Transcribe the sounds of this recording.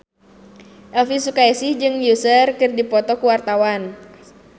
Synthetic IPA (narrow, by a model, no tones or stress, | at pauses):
ʔɛlfisukaɛsid͡ʒɨŋjusərkɨrdipɔt̪ɔkuwart̪awan